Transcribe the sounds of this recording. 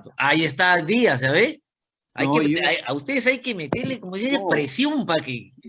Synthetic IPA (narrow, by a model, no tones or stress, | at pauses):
t̪oʔaiest̪ad̪ias̬aβe | a̰jkeeaja̰ust̪eðesajkemet̪eɾlekomoiseepɾesjompake